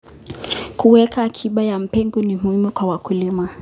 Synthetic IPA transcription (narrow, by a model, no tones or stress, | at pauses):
kuwɛkaːkʰiɓajam̩pɛŋɡɔnimuhimukwawakulima